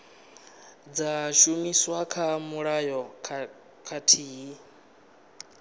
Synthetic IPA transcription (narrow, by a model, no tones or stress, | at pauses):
d͡zaʃumiswakʰamuɺajɔ | kʰatʰiːɦi